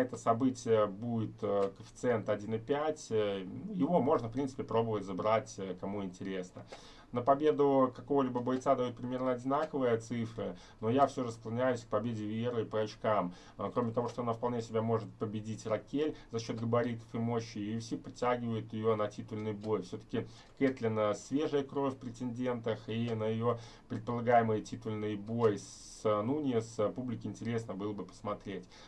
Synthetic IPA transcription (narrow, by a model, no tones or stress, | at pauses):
ɛt̪əsɐbɨtʲɪjəbudʲɪt̪ːkəfʲɪ̥t̪sɨɛnt̪ɐdʲinɨpʲætʲnujɪvo̞mo̞ʐnəfpɾʲinsɨ̥pʲɪpɾo̞bəvətʲzabɾatʲəkɐmuɪnʲtʲɪɾʲe̞snə̰ | nəpɐbʲe̞d̪ʊkɐko̞vəlʲibəbɐjt̪sad̪ɐjut̪̚pɾʲɪmʲe̞rnəɐdʲɪnakəvɨjət̪sɨfɾɨ | no̞jafsʲo̞ʐəsklˠɐnʲæjʊsʲk̚pɐbʲedʲɪvʲeɾɨpəɐt͡ɕkam | kɾo̞mʲɪt̪ɐvo̞ʂt̪o̞ɐnafpɐlˠnʲesʲɪbʲamo̞ʐɨt̪̚pəbʲɪdʲitʲrɐkʲelʲzɐɕːo̞t̪ɡəbɐɾʲit̪ə̥fɨmo̞ɕːɪjjfsʲipɾʲɪtʲæɡʲɪvəjʊt̪jɪjo̞nɐtʲit̪ʊlʲnɨjbo̞jfsʲɵt̪ə̥kʲɪ | ket̪lʲɪnəsʲvʲe̞ʐɨjəkɾo̞fʲpɾʲɪtʲɪnʲdʲe̞nt̪əxinəjɪjo | pɾʲɪt̪̚pəlˠɐɡajɪmɨjətʲit̪ʊlʲnɨjbo̞js | nunʲɪjəspublʲɪkʲɪɪnʲtʲɪɾʲe̞snəbɨlˠəbɨpə̥smɐt̪ɾʲetʲ